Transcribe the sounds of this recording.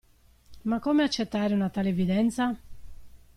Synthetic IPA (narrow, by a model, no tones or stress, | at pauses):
makːɔːmeat͡ʃːɛt̪ːaːɾɪunat̪aːlɛvid̪ɛnt̪sa